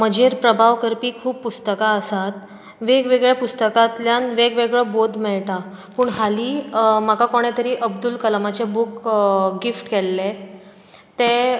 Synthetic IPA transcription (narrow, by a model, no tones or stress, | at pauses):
məd͡ʑʱeɾpɾəbʱaʋkəɾpiːkʰuːbːust̪əkaəsat̪ | ʋeɡʋeɡɭjapust̪əkat̪ljanʋeɡʋeɡɭəbod̪ʱmɛɭʈa | puːɳɦaliːmakakɔɽ̃et̪əɾiːʔəb̚d̪ulkəlmat͡ɕebukɡifʈkɛlːe | t̪e